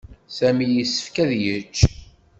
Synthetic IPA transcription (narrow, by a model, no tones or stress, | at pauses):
sæmijisːə̥fkæðjət͡ʃː